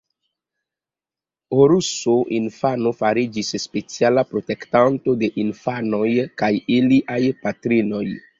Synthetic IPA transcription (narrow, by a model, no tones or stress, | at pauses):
oɾusoʔinfanofaɾid͡ʒisspe̞t͡sialapɾo̞te̞ktanto̞de̞ʔinfano̞jkajiliʔajpatɾino̞j